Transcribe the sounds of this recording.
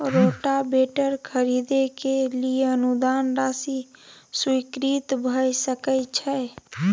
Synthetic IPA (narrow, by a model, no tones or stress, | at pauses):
ɾoʈabeʈəɾkʰəɾid̪ekelijeənud̪anɾasiswikɾit̪bʱəjsəkət͡ʃʰɛ